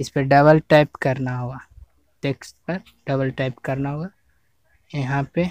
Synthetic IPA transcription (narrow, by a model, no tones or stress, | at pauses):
ɪspeɖɐβəlʈaːɪpkɐɾnaɦuaː | teːksʈ̪pɐɾ | ɖɐbəlʈaːɪpkɐɾnaɦoa | jɐɦãpe